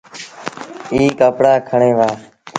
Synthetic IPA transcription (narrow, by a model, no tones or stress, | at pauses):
iːkəpɽaːkʰəɳẽːʋaː